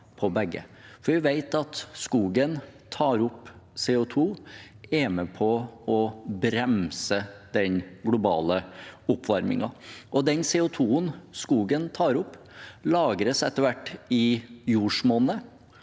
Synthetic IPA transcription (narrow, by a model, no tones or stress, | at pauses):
pʰɔbɛɡːə̰fɔɾʋæɪʋeɪt̪ɑt̪skuːɡənt̪ʰɑːɾʊpːseːʊt̪ʰuː | ɛmɛpʰɔɔbɾɛmsəd̪ɛnɡlʊbɑ̰ːləʊpːʋɑɾmɪ̰ŋɑʔɔd̪ɛnseːʊt̪ʰuːənskuːɡənt̪ʰɑːɾʊpː | lɑːɡɾəsɛt̪ːəɾʋæʈːɪjuːʂmoːnə